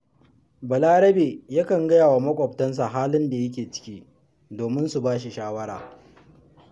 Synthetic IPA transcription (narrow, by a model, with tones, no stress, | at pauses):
bɐ˨laː˦ɽɐ˦beː˨ja˦kɐ˨ŋɡɐ˦jaː˨wa˨mɐ˦kʷʼɔ˨p̚tɐ˦ns̬a˨ɦaː˦lɪ˦nda˨jɐ˦k̬ʲeː˨t͡ʃɪ̥˦kʲiː˦ | doː˨mɪ˦nsu˨baː˦ʃi˨ʃaː˦wɐ˦ɽa̰ː˨